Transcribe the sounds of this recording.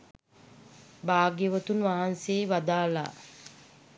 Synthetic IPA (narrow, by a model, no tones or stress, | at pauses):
baːɡeʋət̪unʋaɦanseːʋad̪aːla̰